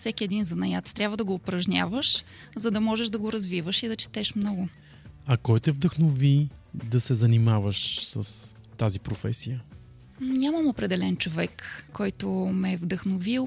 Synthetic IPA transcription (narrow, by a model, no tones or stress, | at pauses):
fsɛkiɛd̪inzɐnɐjat̪st̪ɾʲabvəd̪ɐɡoːpɾɐʒnʲa̰vəʃzɐd̪ɐmɔʒɛʒd̪ɐɡoɾɐzvivəʃid̪ɐt͡ʃɛ̥t̪ɛʃmnɔɡʊ | ɐkɔjt̪ɛvd̪əxnovid̪ɐsɛzɐnimavəʃsəst̪azipɾofɛ̰sijə | ɲʲaməmopɾɛd̪ɛlɛnt͡ʃovɛkːɔjt̪omɛvd̪əxnovil